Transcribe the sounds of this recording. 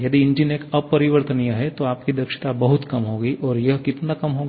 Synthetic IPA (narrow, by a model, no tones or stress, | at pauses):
jɐd̪iɪ̃ɲd͡ʒɪneːkɐbpːɐɾɪʋəɾt̪ənijaɦɛt̪oaːp̚kid̪ɐkʃɪ̥t̪abɐɦʊt̪kɐmɦoːɡiʔɔːɾjɐɦkɪt̪nakɐmɦoːɡ